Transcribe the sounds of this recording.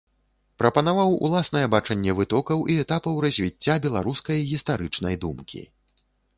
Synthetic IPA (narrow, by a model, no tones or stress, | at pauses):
pɾɐpɐnavawṵlˠasn̪ɐjɛbat͡ʂɐnʲːɛvɨt̪ɔkɐwʔiɛt̪apɐwɾɐzʲvʲit͡sʲːabʲɛlˠa̰ɾuskɐjɣʲist̪aɾɨt͡ʂnɐjd̪umkʲḭ